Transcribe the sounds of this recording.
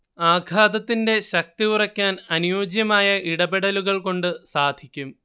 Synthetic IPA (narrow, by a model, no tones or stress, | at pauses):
aːɡʱaːd̪ɐt̪ːinde̞ɕɐk̚t̪iurɐkʲːaːnɐnujoːd͡ʑjɐmaːjɐʔiɽɐbeɽɐluɣɐɭko̞ɳɖɨsaːd̪ʱikʲːum